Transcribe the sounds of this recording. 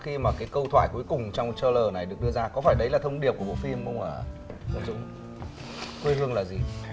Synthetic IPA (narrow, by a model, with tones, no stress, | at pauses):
xi˧maː˨˩kaː˨˦jkə˧wt̪ʰwa̰ː˧˨jku˨˦jkʊ˨˩ŋ͡mt͡ɕɔ˧wŋ͡mt͡ɕəː˧ləː˨˩na˨˩jɗɨ˨˩ək̚ɗɨ˧əzaː˧kɔ˨˦faː˧˩jɗə˨˦jlaː˨˩t̪ʰə˧wŋ͡mɗi˨˩əp̚ku˧˩ɓo̰˧˨fi˧mxə˧wŋ͡maː˨˩zə̰ː˧˥zʊ̰˧˨ŋ͡m | kwe˧hɨ˧əŋlaː˨˩zi˨˩